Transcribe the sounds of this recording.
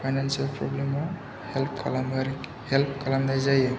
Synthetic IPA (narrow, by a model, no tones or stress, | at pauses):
pʰajnansialpɾɔblemɔ | hɛlpʰklamɾ | hɛlp̚kalamdajzaja